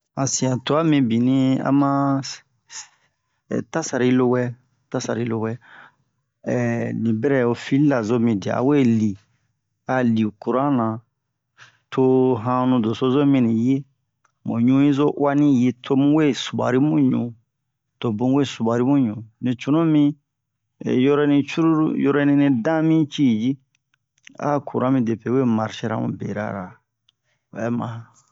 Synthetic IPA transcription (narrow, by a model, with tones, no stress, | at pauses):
ã˨sĩ˨ã˨to˨˦a˦mĩ˧bi˨nĩ˦a̰˦mã˦˨ | ta˦sa˨ɾa˨i˦lo˦wɛ˦ | ta˦sa˨ɾa˨i˦lo˦wɛ˦ | ɛ˨nĩ˨bɛ˦ɾɛ˨o˨fi˦la˨zo˦mĩ˨di˨a̰˨a̰˨we˦li˨ | ka˦li˨ku˨ɾã˦nã˨ | tʰo˦ɦã˦nũ˨do˨so˦zo˦mĩ˦nĩ˨je˦ | mõ̰˨ɲũ˦ji˦zo˦ʔa˦nĩ˦je˦tʰo˦mũ˦we˦su˨ba̰˨ɾi˦mũ˦ɲṵ̃˨ | to˨bũ˦we˦su˨ba˨ɾi˦mũ˦ɲũ˨nĩ˨t͡ʃu˨nũ˦mḭ̃˦˨ | jɔ˦ɾɔ˦nĩ˧t͡ʃu˦ɾu˦ɾṵ˦jɔ˦ɾɔ˦nĩ˧nĩ˧dã˦mĩ˦t͡ʃi˦˨d͡ʒi˦ | a̰˦ku˨ɾã˦mĩ˧de˨pe˨we˦ma˨ɾʃe˧ɾã̰˦mṵ̃˨bḛ˨ɾa̰˦ɾa˨ | wɛ˨˦mã˨